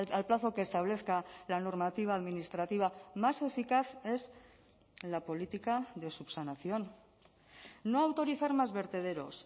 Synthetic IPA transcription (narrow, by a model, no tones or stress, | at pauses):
alplaθo̞keːst̪aβ̞le̞θkalano̞ɾmat̪iβ̞aːðminist̪ɾat̪iβ̞amase̞fikaθe̞z | lapo̞lit̪ikaðe̞supsanaθjo̞n | oawt̪o̞ɾiθaɾmazβe̞ɾt̪e̞ð̞e̞ɾo̞s